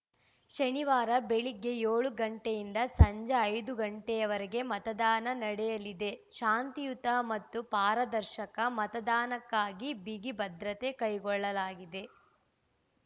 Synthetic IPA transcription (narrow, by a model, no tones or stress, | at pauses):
ʃɐniʋaːɾɐbeɭiɡːe̞joːɭuɡɐɳʈejind̪ɐsɐɲd͡ʒɐːjd̪uɡɐɳʈɛjɐʋɐɾeɡe̞mɐt̪ɐd̪aːnɐnɐɽɛjɐlid̪e̞ʃaːnt̪ijut̪ɐmɐt̪ːupaːɾɐd̪ɐɾʃɐkɐmɐt̪ɐd̪aːnɐkːaːɡibiɡibɐd̪ɾɐt̪e̞kɐjɡɔɭːɐlaːɡid̪e̞